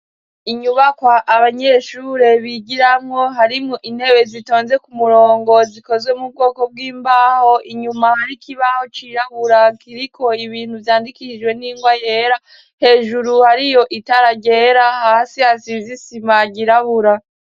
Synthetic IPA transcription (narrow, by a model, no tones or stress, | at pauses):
iɲuβakwaʔaβaɲe̞ʃuːɾe̞βiɟiɾamŋo̞ɦaɾimŋoʔin̥he̞βe̞zito̞ːnze̞kumuɾoːŋɡo̞ziko̞zwe̞mub̚ɡo̞ːko̞b̚ɡiːmbaho̞ʔiɲumahaɾikʰiβaho̞t͡ʃiɾaβuɾakiɾikʰo̞iβiːnhuvjaːndikiʃd͡ʒɡwe̞niːŋɡwaje̞ɾa | he̞ːʒuɾuhaɾijo̞ʔitaɾaɟe̞ːɾahaːsiasivzisimaɟiɾaβuɾa